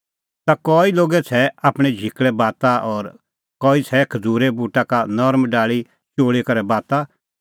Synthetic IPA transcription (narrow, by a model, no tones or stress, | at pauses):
t̪akɔːiloːɡɛt͡sʰɛaːpɽ̃ɛd͡ʒʱɪkɭɛbaːt̪aʔɔːɾ | kɔːit͡sʰɛkʰɐd͡zuːɾebuːʈakanɔɾmɖaːɭi | t͡ʃoːɭekɐɾɛbaːt̪a